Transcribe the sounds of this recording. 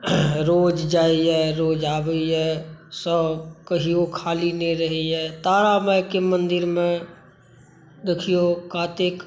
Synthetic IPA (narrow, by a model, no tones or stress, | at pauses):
ɾoːd͡ʒd͡ʒaːiɦɛɾoːd͡ʒaːbəiɦɛsəbkəɦiokʰaːlineɾəɦiɦɛt̪aːɽamɛkemə̃nd̪ɪɾmẽ | d̪ekʰijokaːt̪ek